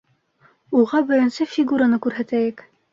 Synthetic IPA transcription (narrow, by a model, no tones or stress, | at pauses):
uʁɑbɘ̆ɾɘ̆nsɘfʲiɡuɾanɤkʉɾɦæt̪æjɘk